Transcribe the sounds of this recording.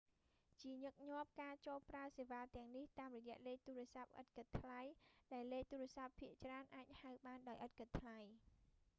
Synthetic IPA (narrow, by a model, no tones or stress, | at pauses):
t͡ɕiəɲɨk̚ɲŏəp̚kaːt͡ɕoːlpraəseːʋaːt̪ɛ̆əŋniht̪aːmrɔjɛ̆əʔleːk̚t̪uːɾɛ̆əsap̚ʔə̰t̪̚kət̪ʰːlajɗaɛlːeːk̚t̪uːɾɛ̆əsapʰːiəʔt͡ɕraənʔaːc̚haɨɓaːnɗaɔjʔət̪̚kət̪ʰːlaj